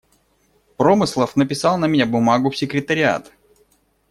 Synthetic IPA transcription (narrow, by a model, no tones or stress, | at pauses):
pɾomɨslˠəfnəpʲɪsɑlˠnəmʲɪnʲabʊmaɡʊfsʲɪkɾʲɪt̪əɾʲɪa̰t̪